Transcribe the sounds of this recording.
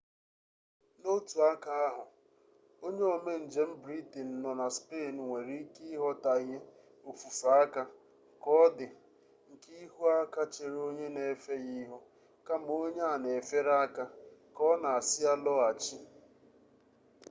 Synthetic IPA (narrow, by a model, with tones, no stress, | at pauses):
no˦tu˨a˦ka˦a˦ɦʊ˨ | o˦ɲe˦o˨me˦n̩˨d͡ʒe˦m̩˦bɾi˦ti˨n̩˨nɔ˨na˨spe˦˨n˨ŋʷe˨ɾi˦ki˦i˦ɦɔ˦ta˨˦ɦe˦ | o˨fu˨fa˦a˦ka˦ | kɔ˦dɪ˨ | ŋ̩˨ki˦i˦ɦu˦a˦ka˦t͡ʃe˨ɾo˦ɲe˦ne˨˦fe˦ɣi˦ɦɔ˦ | ka˦m˦o˦ɲe˦a˨ne˨fe˦ɾa˦a˦ka˦kɔ˦na˨a˨sɪ˦a˦lɔ˦a˨t͡ʃi˦